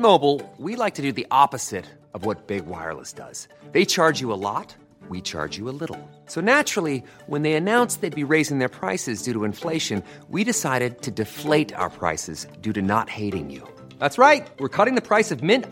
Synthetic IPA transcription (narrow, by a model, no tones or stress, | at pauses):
moʊbl̩ˠwilaɪk̚tʰɨdɨðiʔɑpɨz̥ɪɾ | ʌvwʌt̚b̥ɪɡ̚wa̰ɪə̰˞lˠə̰sd̥ʌ̰z̥ | ðeɪt͡ʃʰɑɹd͡ʒjɨəlɔ̰t̚ | wit͡ʃʰɑ̰ɹd͡ʒɨəlɪɾl̩ˠ | soʊnæt͡ʃɹ̥l̩ˠi | wə̃nðeɪɨnãʊ̃nsðeɪd̚biɹeɪzɪ̃ŋðə˞pʰɹ̥aɪsɨzdʉɾəɨ̃ɱfleɪʃɨ̃n | wiɾɨsaɪɾɨd̚tʰɨdɨfleɪɾa̰ʊə̰˞pʰɹ̥a̰ɪsɨ̰zdʉɾɨnə̰t̚heɪɾɪ̰̃ŋjʉ̰ | ðætsɹaɪt̚wɨɹkʰʌɾɪ̃ŋðɨpʰɹ̥aɪsʌvmɪ̃n